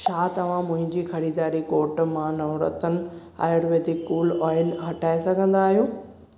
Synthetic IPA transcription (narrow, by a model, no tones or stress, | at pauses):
t͡ɕʰaːt̪ɐʋ̤ãmʊ̃ɦɪ̃ɲd͡ʑiːxɐɾiːd̪aːɾikoːɾʈmãnɐːɾə̰t̪ənɪ̆ | a̰ːjəɾʋeːd̪ikːuːlɔːɪlɦɐʈaːesɐɡʱə̃nd̪aːɦijoː